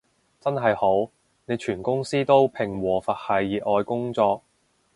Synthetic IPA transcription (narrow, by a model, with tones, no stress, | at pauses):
t͡sɐ˥nɦɐ˨jho˨˥w | ne˨˧jt͡ʃʰyː˨˩nkʊ˥ŋsiː˥t̪o˥wpʰɪ˨˩ŋwɔː˨˩fɐ˨t̚hɐ˨jːiː˨ɔː˨˧jkʊ˥ŋt͡sɔː˧k̚